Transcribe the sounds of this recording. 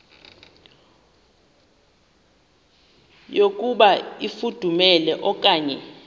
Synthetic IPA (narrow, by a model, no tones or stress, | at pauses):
jok̬ʼuɓaifud̥ʱumɛlɛʔɔk̬ʼaːɲɛ